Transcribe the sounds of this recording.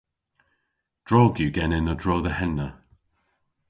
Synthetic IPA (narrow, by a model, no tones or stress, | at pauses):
d̥ɹɔːɡjuɡɛnɪnədɹoːðəhɛnːə